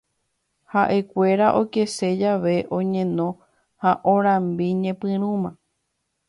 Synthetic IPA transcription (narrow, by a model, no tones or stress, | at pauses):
haʔe̞kʷe̞ɾaʔoke̞se̞d͡ʒaʋe̞ʔõɲẽ̞nõ̞ | haʔõɾ̃ãmbiɲẽpɨ̃ɾũmã